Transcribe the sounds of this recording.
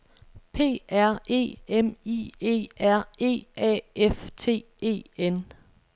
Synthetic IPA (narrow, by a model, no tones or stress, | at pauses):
pʰe̝̰ːæɐ̰e̝̰ːemie̝̰ːæɐ̰e̝̰ːɛ̰eft͡sʰe̝̰ː | e̝̰ːen